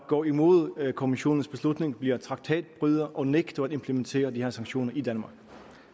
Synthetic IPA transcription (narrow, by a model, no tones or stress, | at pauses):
ɡ̥ɒ̰ːimo̝ð̞̰ˠkʰo̝miɕo̝̰ːnn̩sb̥e̝slud̥ne̝ŋb̥liɐt͡sʰʁɑ̈ɡ̥̚t͡sʰɛ̰ːd̥̚b̥ʁyðˠɐʔɒ̽neɡ̥d̥ɐæd̥e̝mpʰlement͡sʰe̝̰ːɐd̥iheɐ̰sɑ̈ŋɕo̝̰ːnɐʔid̥ænmɑ̈ːɡ̥